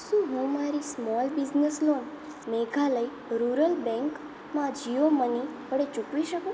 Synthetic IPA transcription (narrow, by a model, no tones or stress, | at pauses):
ʃũɦũmaɾismɔlbizneslon | meɡʱaləi | ɾuɾəlbɛ̃ŋk | mãd͡ʒiomənipəɽet͡ʃũkʋiʃəkũ